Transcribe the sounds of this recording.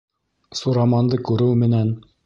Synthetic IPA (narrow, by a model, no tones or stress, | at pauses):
suɾɑmɑnd̪ɤkʉɾɘwmɘ̆næn